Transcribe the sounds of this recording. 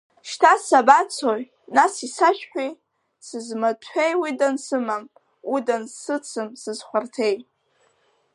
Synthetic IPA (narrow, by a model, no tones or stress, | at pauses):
ʃtʰasabat͡sʰoj | nasisaʃᶣħʷᶣi | sɨzmatʷʰejwidansɨmam | udanssɨt͡sʰɨmsɨzχʷartʰe̞j